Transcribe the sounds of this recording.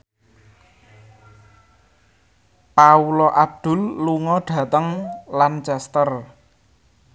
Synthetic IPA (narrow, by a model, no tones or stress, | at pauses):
paulɔʔab̚d̪̥ʊ̤lːuŋɔɖ̥ä̤t̪əŋlant͡ʃɛst̪ər